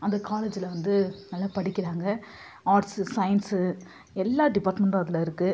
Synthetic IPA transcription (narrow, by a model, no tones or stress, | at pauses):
ɐnd̪ɐkaːleːd͡ʒɪlɐʋɐnd̪ɯnɐlːapɐɽɪkːɪɾaːŋɡɐ | aːɾʈssɐjɐnsɯ | ɛlːaːɖɪpaːɾʈmɛɳʈɐðɪlɐɪɾɯkːɯ